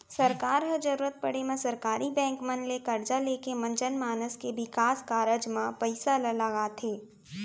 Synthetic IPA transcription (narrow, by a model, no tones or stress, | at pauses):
sɐɾkaːɾɦəd͡ʒɐɾuːɾət̪̚pɐɽ̤emẽsɐɾkaːɾibɛ̃ːŋkmɐnlekɐɾd͡ʒaleːkemɐ̃nt͡ʃənmaːnəskebɪkaːskaːɾəd͡ʒmãpəɪsaləlɐɡat̪ʰeː